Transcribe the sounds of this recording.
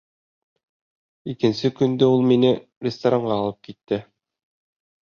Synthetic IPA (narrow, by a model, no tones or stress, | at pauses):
ikɘ̆nsɘkɵ̆nd̪ɵulˠminɘ | rʲɪst̪aɾaɴɢɑːlˠɤp̚kit̪ːɘ